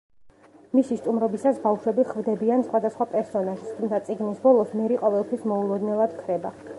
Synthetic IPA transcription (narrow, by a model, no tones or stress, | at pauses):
misist̪ʼumɾɛbisasbavʃwɛbiχvd̪ɛbiansχwad̪asχwapʼɛɾsɔnaʒst̪ʰumt̪ʰat̪sʼiɡnisbɔlˠɔsmɛɾiqʼɔvɛlˠt̪ʰwismɔulˠɔd̪nɛlˠad̪kʰɾɛba